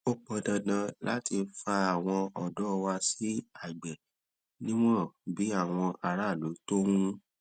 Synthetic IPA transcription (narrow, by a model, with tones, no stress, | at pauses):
o˦k͡pɔ˧˦dã˧dã˧la˦ti˧fa˧a˨w̃ɔ̃˧ɔ˨dɔ˨˦˧wa˧si˦a˦˨ɡ͡bɛ˨ | nĩ˦w̃ɔ̃˦˨bi˨˦a˦˨w̃ɔ̃˧ʔa˧ɾa˦˨lu˨˦to˦wũ˦